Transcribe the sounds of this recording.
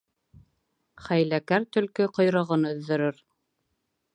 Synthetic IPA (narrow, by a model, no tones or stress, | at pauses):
χæjlækæɾt̪ɵ̆lkɵqŏjɾɤ̆ʁɤnɵ̆ðːɵ̆ɾɘɾ